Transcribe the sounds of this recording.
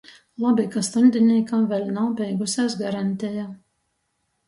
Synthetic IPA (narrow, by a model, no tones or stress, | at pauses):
lˠabʲikast̪ɔnʲd̪ʲinʲiːkaːvʲɛlʲnawbʲɛjɡʊsʲæːsɡaɾanʲt̪ʲɛja